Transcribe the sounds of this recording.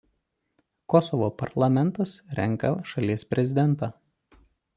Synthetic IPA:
kɔsɔʋoːpɐɾlˠɐmʲɛnˑt̪ɐsɾʲɛŋˑkɐʃɐlʲiɛspʲɾʲɛzʲɪd̪ʲɛnˑt̪ɑː

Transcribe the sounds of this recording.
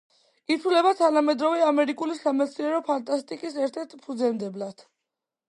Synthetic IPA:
it̪ʰulɛbat̪ʰanamɛd̪ɾɔvɛamɛɾikʼulisamɛt̪sʰniɛɾɔpʰant̪ʼast̪ʼikʼisɛɾt̪ʰɛɾt̪ʰpʰud̪zɛmd̪ɛblad̪̥

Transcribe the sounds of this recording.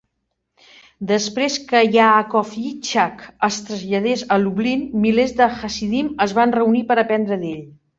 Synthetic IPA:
d̪əspɾeskəjaːkɔfit͡ʃakəst̪ɾəzʎəð̞ezəluβlinːilezðəxəsiðiməzβanrəunipəɾəpɛnd̪ɾəðeʎ

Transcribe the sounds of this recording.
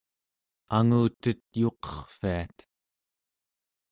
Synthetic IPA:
aŋuːt̪ət̪jo̞qʌ̥χfiat̪

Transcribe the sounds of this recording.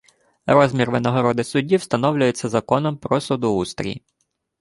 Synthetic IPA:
ɾɔzmʲirʋenɔɦɔɾɔd̪ɪsʊdʲiwst̪ɐnɔwlʲʊjet͡sʲːɐzɐkɔnɔmpɾɔsud̪ʊust̪ɾʲḭ

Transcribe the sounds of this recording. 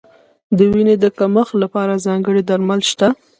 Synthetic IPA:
d̪əwined̪əkaməxlapɑɾazɑŋɡəɽid̪aɾmalʃt̪a

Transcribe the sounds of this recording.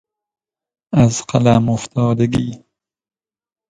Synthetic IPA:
æzqalamoft̪ʰɒːd̪eɡiː

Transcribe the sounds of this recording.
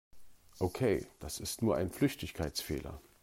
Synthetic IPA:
ʔokʰeɪd̥asɪstnuːɐʔa̰ɪnflʏçtɪçkʰaɪt͡sfḛːlɐ̰

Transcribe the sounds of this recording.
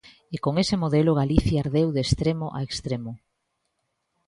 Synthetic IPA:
ekoŋesɪmoðelʊɣ̞aliθjaaɾðewðest̪ɾemoʔa̰ekst̪ɾemʊ

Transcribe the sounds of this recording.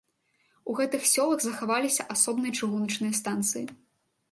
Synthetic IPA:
uɣɛt̪ɨxsʲɔlˠɐɣzɐxavalʲisʲɐʔasɔbnɨjɐt͡ʂɨɣunɐt͡ʂnɨjɐst̪ant̪sɨjḭ

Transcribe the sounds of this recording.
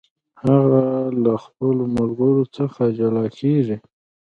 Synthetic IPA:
haɣalaxpəlomʊlɡəɾot͡səxad͡ʒalɑkʰeʐi

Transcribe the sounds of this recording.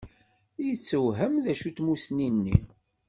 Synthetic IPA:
jət͡sːəwɦəmðæʃut̪musninːḭ

